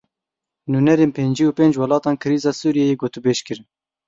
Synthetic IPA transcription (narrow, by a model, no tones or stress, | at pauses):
nuːnɛɾeːnpʰeːnd͡ʒiːuːpeːnd͡ʒwɑlɑːt̪ɑːnkʰɨɾiːzɑːsuːɾijɛjeːɡoːt̪ubeːʃkɨɾ